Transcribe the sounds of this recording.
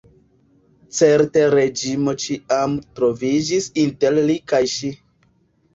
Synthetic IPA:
t͡se̞ɾteɾe̞d͡ʒimo̞t͡ʃiamtɾo̞vid͡ʒisinte̞ɾlikajʃi

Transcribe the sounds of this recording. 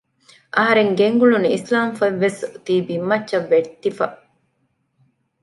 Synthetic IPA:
ʔɐɦɐɾeŋɡeŋɡuɭunislaːmfɐʋːest̪iːbimːɐt͡ʃːʃɐʋːet̪ːifɐ

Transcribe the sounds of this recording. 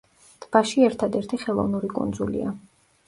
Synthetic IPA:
d̪̥ʰb̥aʃiɛɾt̪ʰad̪ɛɾt̪ʰiχɛlˠɔ̰vnuɾikʼṵnd̪zṵlḭa̰

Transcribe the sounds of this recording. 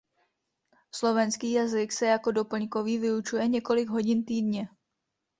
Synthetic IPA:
slo̞vɛnskiːjazɪksɛjako̞do̞pl̩ɲko̞viːvɪut͡ʃujɛɲɛko̞lɪɡɦo̞ɟɪnt̪iːdɲɛ

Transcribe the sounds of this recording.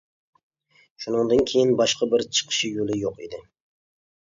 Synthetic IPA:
ʃunɨŋd̪ɨnkʲʰejɪnbɑʃqʰɑbɪɾt͡ʃʰə̥qʰɨ̥ʃɪjolˠɪjoqḭd̪ɪ

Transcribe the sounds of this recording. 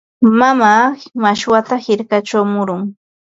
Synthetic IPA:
mamaːmaʃwat̪ahɪɾkat͡ʃawmʊɾʊŋ

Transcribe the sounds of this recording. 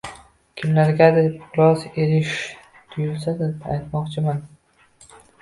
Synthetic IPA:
kʲʰɪmlaɾɡʲad̪ɪpqʊɾɒze̞ɾɪʃ | t̪ʰʊjʊlsad̪ɪpa̰jt̪mɒqt͡ʃʰɪman

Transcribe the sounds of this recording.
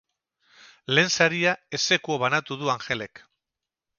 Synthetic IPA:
le̞ːnsaɾiae̞se̞kuoβanat̪uðuaŋxe̞le̞k

